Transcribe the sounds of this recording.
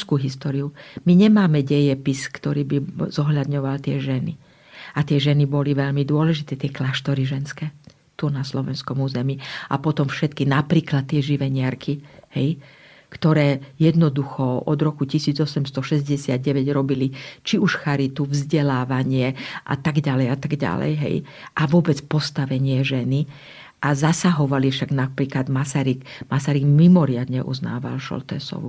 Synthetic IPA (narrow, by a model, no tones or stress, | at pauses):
skuːɦist̪ɔːɾiumiɲɛmaːmɛɟɛjɛpiskt̪ɔɾiːbizɔɦʎad̪ɲɔʋalt̪ɪɛʒɛni | at̪ɪɛʒɛnibɔliʋɛʎmid̪ʊɔlɛʒit̪ɛːt̪ɪɛklaʃt̪ɔɾiʒɛnskɛː | t̪unaslɔʋɛnskɔmuːzɛmia̰pɔt̪ɔmfʃɛt̪kinapɾiːklat̪ːɪɛʒiʋɛɲɪaɾkʰihɛ̰j | kt̪ɔɾɛːjɛd̪nɔd̪uxɔɔd̪ɾɔkucisiːd͡zɔsɛmst̪ɔʃɛzɟɛsɪad̪̚ɟɛʋɛɟɾɔbilit͡ʃiuʃxaɾit̪uvzɟɛlaːʋaɲɪɛʔa̰t̪aɡɟalɛjat̪aɡɟa̰lɛ̰jɦɛ̰j | ʔaʋʊɔbɛt͡spɔst̪aʋɛɲɪɛʒɛni | ʔazasaɦɔʋalifʃaɡnapɾiːklad̪masaɾiɡmasaɾiɡmimɔɾɪad̪ɲɛʔṵzna̰ːʋa̰lʃɔ̰lt̪ɛ̰sɔ̰ʋṵ